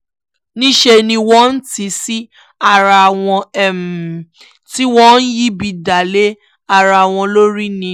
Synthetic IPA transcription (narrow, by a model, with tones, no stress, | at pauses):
nĩ˦ʃe˧nĩ˧wɔ̃˦n̩˦ti˨˧˦si˦ | a˦˨ɾa˧˨w̃ɔ̃˧ɛ˦˨m˨ | ti˦wɔ̃˦n̩˦ji˦bi˧da˨le˦ | a˦˧˨ɾa˧˨w̃ɔ̃˧lo˦ɾi˦nĩ˧